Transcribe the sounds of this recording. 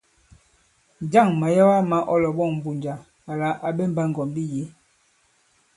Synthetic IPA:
nd͡ʒa˦˨ŋma˨ja˦wa˦ma˨˦ʔɔ˦lɔ˨bɔ˦˨ŋm˨bu˨ɲd͡ʒa˨ | a˨la˨˦ʔa˨be˦m˦ba˦ŋ˨ɡɔ˨mbi˦je˨˦

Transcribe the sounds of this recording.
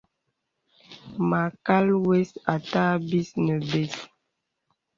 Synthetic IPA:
ma˨ka˦lwe˦sa˨ta˦bi˦snə˨be˦s

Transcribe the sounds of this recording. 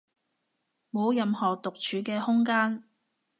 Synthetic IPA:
mo˨˧wjɐ˨mhɔː˨˩t̪ʊ˨k̚t͡ʃʰyː˨˧kɛː˧hʊ˥ŋkaː˥n

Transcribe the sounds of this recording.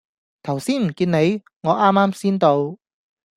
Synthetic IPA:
t̪ʰɐ˨˩wsiː˥nm̩˨˩kiː˧nne˨˧j | ŋɔː˨˧ʔaː˥mːaː˥msiː˥nt̪o˧w

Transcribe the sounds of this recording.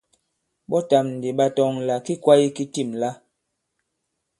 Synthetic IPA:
ɓɔ˦ta˨mn̩˨di˨ɓa˦tɔ˦˨ŋla˨ki˦kwa˦i˦ki˦ti˦˨mla˦

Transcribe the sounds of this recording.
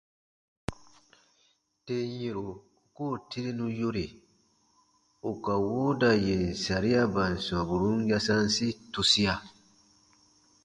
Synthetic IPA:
te˦e˨ɾo˨ | koː˦˨ti˦ɾe˦nũ˦jo˦ɾe˨ | o˨ka˨woː˦da˨je˨n̩˨sa˨ɾi˦ja˦ba˨n̩˨sɔ˨bu˨ɾũ˦n˦ja˦sã˦n˦si˦tu˨si˦a˨

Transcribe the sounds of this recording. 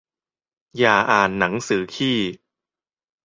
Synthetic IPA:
jaː˨˩ʔaː˨˩nːa˩˦ŋsɯː˩˦kʰiː˥˩

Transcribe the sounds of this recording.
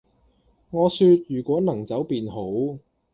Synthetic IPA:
ŋɔː˨˧syː˧t̚jyː˨˩kʷɔː˨˥nɐ˨˩ŋt͡sɐ˨˥wpiː˨˧nɦo˨˥w

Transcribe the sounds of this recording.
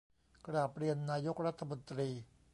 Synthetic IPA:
kɾaː˨˩pɾi˧ənːaː˧jo˦˥k̚ɾa˦˥t̪ʰːa˧mo˧nt̪ɾiː˧

